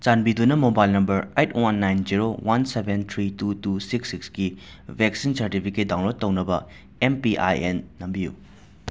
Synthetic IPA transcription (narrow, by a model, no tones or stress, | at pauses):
t͡ʃanbidunɐmobajlnɐmbɐɾejtʰwanːajnd͡ʒiɾowʔansebʱent̪ʰɾitutusiksikskibʱeksinsɐɾtipʰiket̚daw̃lot̚tːɐwnɐbɐ | empiʔa̰jenːɐmbijṵ